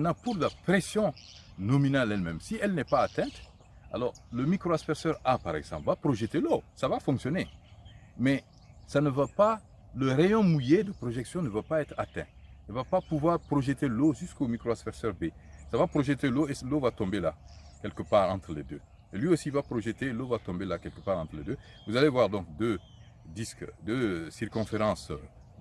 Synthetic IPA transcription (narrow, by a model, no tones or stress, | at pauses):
ɛnãpuʁlapʁesjɔ̃nɔminalɛlmɛ̃msiɛlnɛpaːt̪ɛ̃t̪ | a̰lɔʁləmikʁoaspɛʁsœʁapaʁɛ̰ɡzɑ̰̃pvapʁoʒət̪elosavafɔ̃ŋksjɔne | mɛ | sanəvapa | ləʁejɔ̃mujed̪əpʁɔʒɛksjɔ̃nəvapaɛt̪ʁat̪ɛ̰̃ilvapapuvwaʁpʁɔʒət̪eloʒyskomikɾoasfɛʁsœʁbesavapʁɔʒət̪eloelovat̪ɔ̃bela | kʲɛlkəpaːʁɑ̃t̪ʁəlḛd̪ø | elɥiosivapʁɔʒət̪elovat̪ɔ̃belakɛlkəpaːʁɑ̃t̪ʁəled̪ø | vuzalevwaʁd̪ɔ̃ŋkd̪ø | d̪iskd̪øsiʁkɔ̃feʁɑ̃s